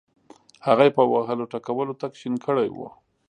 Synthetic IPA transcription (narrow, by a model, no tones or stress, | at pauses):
haɣajepəwaɦəloʈakawəlot̪akʃinkʰəɽajwo̰